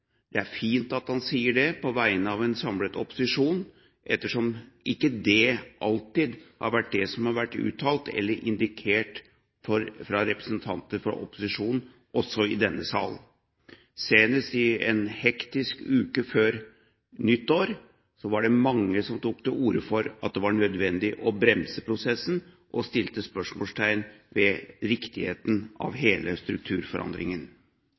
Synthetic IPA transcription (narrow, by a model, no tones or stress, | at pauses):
d̪̥ɛæɾfiːnt̪ɑt̪hɑnsiːəɖɛpʰɔʋæɪnəɑʋɛnsɑmlət̪ɔpʊ̥sɪʂuːn | ʔɛt̪ːəʂɔmʔɪkːəd̪ɛʔɑlt̪ɪd̪hɑ̰ɾʋæʈ̚ːɖɛsɔmhɑɾʋæʈːʉ̰ːt̪ʰːɑːlt̪ɛ̰lːəɾʔɪnd̪ɪkʰeːʈ | fɔɾfɾɑɾɛpɾəsənt̪ʰɑnt̪əɾfɔ̰ɾʔɔ̰pʊ̥sɪʂuːnn̩ | ʔɔsɔɪd̪ɛnːəsɑ̰ːln̩ | seːnəst̪ɪɛnhɛkt̪ɪskʉːkəføːɾ | nʏt̪ːoːɾ | sɔʋɑɖɛmɑŋːəsɔmt̪ʰuːk̚d̪ɛʔuːɾəfɔɾɑt̪̚d̪ɛʋɑɳœd̪ʋɛnd̪ɪʔɔbɾɛmsəpʰɾʊsɛsn̩ | ʔɔst̪ɪlt̪əspœʂmɔlst̪ʰæɪnʋɛɾɪkt̪ɪhḛːt̪n̩ɑ̰ʋɦeːlʔəst̪ɾʉk̚t̪ʰʉːɾfɔɾʔɑ̰nd̪ɾɪŋən